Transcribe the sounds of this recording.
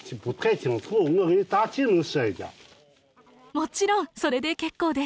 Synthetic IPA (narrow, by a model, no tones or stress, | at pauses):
pot̪ʰχat͡ɕʰaŋt͡sʰoχoŋait̪at͡ɕʰinəŋɕajed͡ʑa̰ | mot͡ɕiɾoŋsoɾed̪e̞kekːod̪e